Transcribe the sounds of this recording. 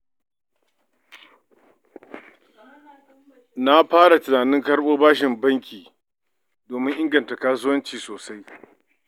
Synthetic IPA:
na˦ɸaː˦ɽa˨tʊ˨naː˨nɪ˦ŋkɐ˦ɽɓoː˦baː˦ʃɪ˨mbɐ˦ŋkʲiː˨ | doː˨mɪ˦ʔɪ˦ŋɡɐ˨nta˨kaː˦s̬ʊ˦wɐ˦nt͡ʃiː˨soː˨sa˦j

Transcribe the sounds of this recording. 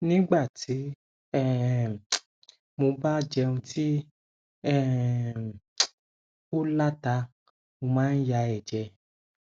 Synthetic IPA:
nĩ˦ɡ͡ba˦˨ti˨˦ | ɛ˦˨ | mo˧ba˦d͡ʒɛ˧ũ˧ti˦ | ɛ˦˨ | o˦la˦ta˧ | mo˧mãː˨˦n̩˦ja˧ɛ˨d͡ʒɛ˧

